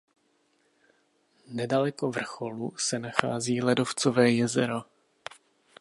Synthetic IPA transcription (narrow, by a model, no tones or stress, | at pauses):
nɛdalɛko̞vr̩xo̞lusɛnaxa̰ːziːlɛdo̞ft͡sovɛːjɛzɛɾo